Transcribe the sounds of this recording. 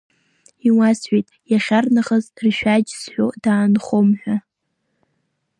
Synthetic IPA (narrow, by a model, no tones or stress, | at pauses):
iwasħʷᶣejtʼjaχʲarnaχəzrʃᶣad͡ʒzħʷᶣodaːnχʷomħʷᶣa